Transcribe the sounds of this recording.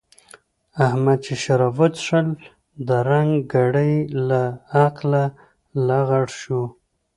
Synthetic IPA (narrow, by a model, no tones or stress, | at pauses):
ahmad̪̚t͡ʃeʃaɾavʊt̪ʂəl | d̪əɾaŋɡɡaɽəjlaːqla | laɣaɽʃu